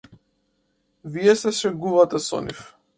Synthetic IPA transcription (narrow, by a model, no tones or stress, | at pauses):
viɛsɛʃɛɡuvat̪ɛsɔ̰nḭf